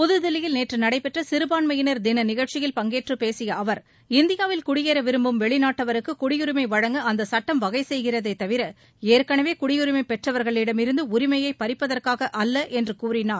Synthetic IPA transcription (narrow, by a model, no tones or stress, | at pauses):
pʊðɯðɐlɪjɪlneːʈrɯnɐɽɐɪpɛʈrɐsɪɾɯbaːnmɐjɪnɐɾd̪ɪnɐnɪɣɐɭt͡ʃɪjɪlpɐŋɡeːʈrɯpeːsɪjɐɐʋɐɾ | ɪnd̪ɪjaːʋɪlkʊɽɪjeːɾɐʋɪɾɯmbɯmʋɛɭɪnaːʈːɐʋɐɾɯkːɯkʊɽɪjʊɾɪmɐɪʋɐɻɐŋɡɯɐnd̪ɐsɐʈːɐmʋɐɣɐɪsɛjɣɪrɐðɐɪt̪ːɐʋɪɾɐ | eːɾkɐɳɐʋeːkʊɽɪjʊɾɪmɐɪpɛʈrɐʋɐɾɣɐɭɪɽɐmɪɾɯnd̪ɯʊɾɪmɐjɐɪpɐɾɪpːɐðɐrkaːɣɐʔɐlːɐʔɛndrɯkuːrɪnaːɾ